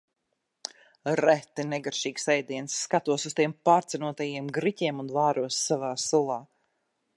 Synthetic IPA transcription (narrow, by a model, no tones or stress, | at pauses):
ɾɛt̪ɨnɛɡaɾʃiːksɛjd̪iɛnsːkat̪uɔsust̪iɛmpaːɾt̪sɛnuɔt̪ajiɛmɡɾiciɛmunvaːɾuɔsːavaːsulˠɑː